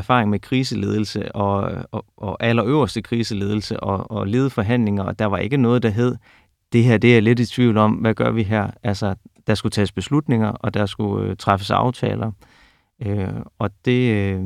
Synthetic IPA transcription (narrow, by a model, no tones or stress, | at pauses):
ɐfɑ̈ːʁeŋmekʰʁiːs̬əle̝ːð̞ˠl̩səɒ̽ʔɒʔælɐøʊɐsd̥əkʰʁiːsəle̝ːð̞ˠl̩səʔɒ̽ɒle̝ːð̞ˠəfɒ̽ɦæn̰le̝ŋɐɒ̽d̥ɑ̈ʋɑ̈ʔe̝ɡ̥ənɔ̽ːð̞̩ˠd̥ɑ̈ɦeð̞̰ˠ | d̥e̝ɦeɐ̰d̥e̝æle̝dit͡sʰʋiʊ̰lɒ̽mʋæɡ̥ɶɐʋiɦæɐ̰ælsɐd̥ɑ̈sɡ̥ut͡sʰɛ̰ːsb̥e̝slud̥ne̝ŋɐʔɒ̽d̥ɑ̈sɡ̥uøt͡sʰʁɑfəsɑ̈ʊt͡sʰɛ̰ːlɐ | øɒ̽d̥e̝